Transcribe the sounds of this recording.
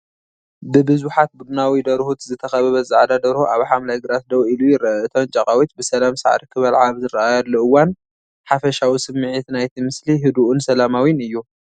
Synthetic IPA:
bɨbɨzuħat̪̚bud̪unawid̪ɐɾhut̪zɨt̪ʰɐxɐβɐβɐzɨʕd̪ad̪ɐɾhuʔaβħamlajɡɨɾasd̪ɐwilujɪɾɐɨt̪ʰo̞nt͡ʃʼɐkʼawit̪bɨsɐlamsa̰ʕɾikʰɨβɐlʕaβzɨɾɐajɐd̪lːuɨwːan | ħafɐʃawisɨmːɨʕit̪najt̪ʰimɨsliɦɨd̪uʔunsɐlamawinɨjːu

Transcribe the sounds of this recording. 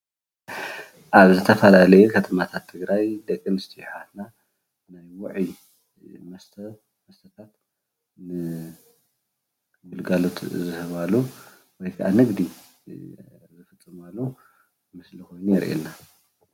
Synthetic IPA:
ʔaβzɨt̪ʰɐfɐlalɐjukʰɐt̪ʰɐmat̪ʰat̪ʰːɨɡɾajd̪ɐkʼːɨnɨst̪ʰijħat̪na | najwʊʕi | mɐst̪ | mɐst̪ʰɐt̪ʰat̪ | nɨ | ɡulɡalot̪ʰzɨhɐβalu | wɔjkʰaʔanɨɡd̪i | zɨfɨt͡sʼːɨmalːu | mɨslikʰo̞jnujɛɾʔḛnːa

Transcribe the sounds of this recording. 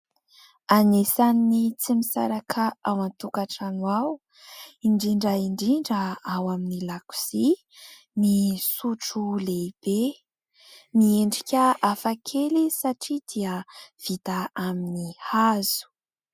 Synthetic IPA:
anesaninit͡simisa̰ɾakʰaawant̪ukaʈ͡ʂanwaw | iɳɖ͡ʐiɳɖ͡ʐaiɳɖ͡ʐiɳɖ͡ʐəawaminilaku̥si | misuʈ͡ʂuleib̥e | mieɳɖ͡ʐikʲəafakʰelisaʈ͡ʂid̪iəv̥it̪aaminihaz̥u̥

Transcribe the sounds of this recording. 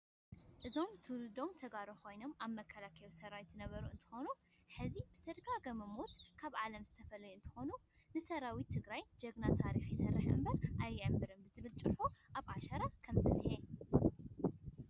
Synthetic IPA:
ʔɨzo̞mt̪ʰɨld̪o̞mt̪ʰɐɡaɾokʰo̞jno̞maβmɐkʰːɐlakʰɐlosɐɾawit̪ːɨnɐβɐɾuɨnt̪ʰɨ̥xo̞nuħɨzibɨ̥t̪ʰɐd̪ɡaɡɐmɐmot̪kʰaβʕalɐmzɨt̪ʰɐfɐlːɐjuɨnt̪ʰɨ̥xo̞nu | nɨsɐɾawit̪ʰːɨɡɾajd͡ʒɐɡnat̪ʰaɾixjɪsɐrːɨħɨ̰mbɐɾʔajːɨʕɨmːɨɾɨnbɨzɨβɨlt͡ʃʼɨħuʔaβʔaʃɐɾakʰɐmzɨ̰ɾhe

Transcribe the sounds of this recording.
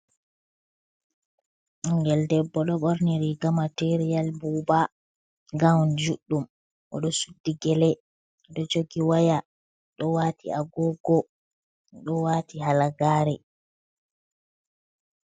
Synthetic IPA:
ŋɡɛldɛbːɔɗɔɓɔɾniɾiɡamateɾijalbuːba | ɡawnd͡ʒuɗːum | ʔɔ̰ɗɔsudːiɡɛlɛ | ɗɔd͡ʒoɡiwaja | ɗɔwatʰḭaɡɔɡɔ | ɗɔwatihalaɡaːɾɛ

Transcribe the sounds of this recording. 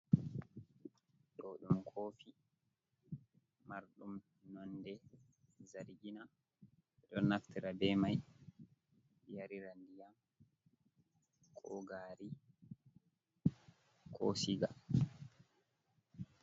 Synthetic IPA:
ɗoːɗumkʰoːfi | maɾɗum | nɔndɛ | zaɾiɡina | ɛɗɔnːaftiɾabɛmaj | jaɾiɾandijam | kʰɔɡaːɾi | kʰɔ̰siɡa̰

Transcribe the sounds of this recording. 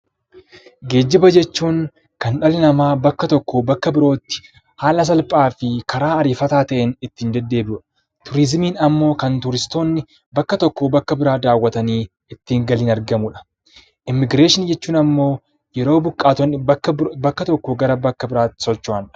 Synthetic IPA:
ɡe̞ːd͡ʒːɪbɐd͡ʒɛt͡ʃːuːŋ | kɐnᶑɐlɪnɐmaːbɐkːɐt̪ɔkːobɐkːɐbɪɾo̞ːt̪ːɪ̥ | haːlɐs̬ɐlpʼaːfɪkɐɾaːɐɾiːfɐt̪aːt̪ɐʔɛnɪt̪ːiːnd̪ɛd̪ːe̞ːbɪʊᶑɐ̥ | t̪ʊɾɪzmiːnɐmːo̞ːkɐnt̪ʊɾɪst̪o̞ːnːɪ | bɐkːɐt̪ɔkːobɐkːɐbɪɾaːd̪aːwːɐt̪ɐniː | ɪt̪ːiːŋɡɐliːnɐɾɡɐmʊᶑɐ̥ | ʔɪmːɪɡɾe̞ːʃɪnd͡ʒɛt͡ʃːuːnɐmːo̞ː | jɛɾo̞ːbʊkʼːaːt̪ɔnːɪbɐkːɐt̪ɔkːɔɡɐɾɐbɐkːɐbɪɾaːt̪ːɪ̥sɔt͡ʃːʊaːnᶑɐ̥

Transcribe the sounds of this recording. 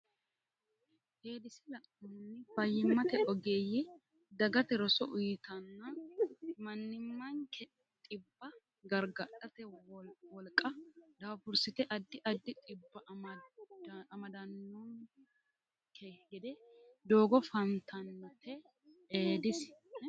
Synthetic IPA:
heːd̪ɪsɪlɐʔʊnnːɪbɐjːɪmːɐt̪ɛʔɔɡeːjɪ | d̪ɐɡɐt̪ɛɾɔsɔʔʊjɪt̪ɐnːɐ | mɐnːɪmːɐŋkʰɛ | t̪ʼɪbːɐ | ɡɐɾɡɐᶑɐt̪ɛwɔlkʼːɐd̪aːfʊɾsɪt̪ɛʔɐd̪ːɪʔɐd̪ːɪt̪ʼɪbːɐ | ɐmɐd̪ɐnːɔn | kʰɛɡɛd̪ɛd̪o̞ːɡɔfɐnt̪ʰɐnːɐt̪ʰɛ | eːd̪ɪs

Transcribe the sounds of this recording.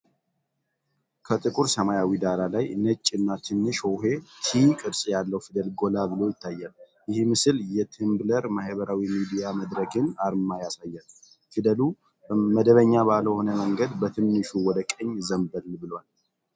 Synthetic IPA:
kʰət̪ʼɨkʼuɾsəmajawid̪aɾalajnət͡ʃʼːɨnːat̪ʰɨnːɨʃoɦe̞t̪ʰikʼɨɾsʼjalːəwfid̪əlɡo̞labɨlo̞jɪt̪ʰːajːal | jɪhmɨsɨljɛt̪ʰɨmbləɾmahβəɾawimid̪ijaməd̪ɾəɡɨnaɾmajasajːal | fid̪əlu | məd̪əβəɲːabaləho̞nəməŋɡəd̪bət̪ʰɨnːɨʃuwɔd̪əkʼəɲːzəmbəlbɨlwal

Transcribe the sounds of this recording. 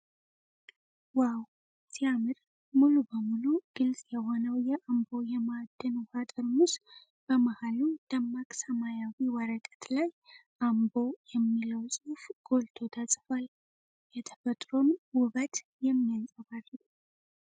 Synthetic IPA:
waw | z̥ijamɨɾ | mulubəmuluɡ̥ɨlsʼjɛɦo̞nəwjɛʔambo̞jɛmad̪ːɨnhat̪ʼəɾmus | b̥əmahalud̪̥əmːakʼsəmajawiwəɾəkʼə̥t̪lajʔambo̞jɛmːiləwsʼufɡ̥o̞lt̪ʰo̞t̪ʰəsʼfal | jɛt̪ʰə̥fət̪ʼɾonwʊβət̪ | jɛmːijansʼəβar

